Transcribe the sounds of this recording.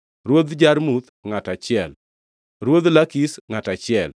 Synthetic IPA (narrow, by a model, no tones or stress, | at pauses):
ɾwod̪d͡ʒaɾmut̪ŋatat͡ʃɪɛl | ɾwod̪lakisŋatat͡ʃɪɛl